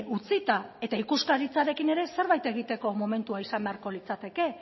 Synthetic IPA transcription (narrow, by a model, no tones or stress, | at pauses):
ut͡sit̪ae̞t̪aikuskaɾit͡saɾe̞kine̞ɾe̞se̞ɾβajt̪e̞ɣit̪e̞ko̞mo̞me̞nt̪uaisambe̞aɾko̞lit͡sat̪e̞ke̞